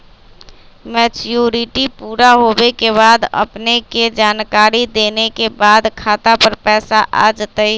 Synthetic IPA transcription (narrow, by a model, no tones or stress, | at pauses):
mɛːt͡ʃjuːɾɪʈipuːɾaɦoːbekeβaːd̪ə̰pneked͡ʒaːnkaːɾid̪eːnekebaːd̪kʰaːt̪apəɾpɛːsaʔa̰ːd͡ʒt̪əi